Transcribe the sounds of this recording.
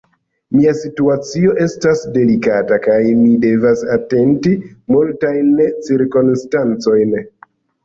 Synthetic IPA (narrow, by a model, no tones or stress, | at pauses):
miasituat͡sio̞ʔe̞stasde̞likatakajmide̞vasate̞ntimultajnt͡siɾkonstant͡so̞jn